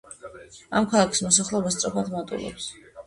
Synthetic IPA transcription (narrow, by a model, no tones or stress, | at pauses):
amkʰalˠakʰi̥smɔsaχlˠɛbast̪sʼɔpʰad̪mat̪ʼṵlˠɛ̰ps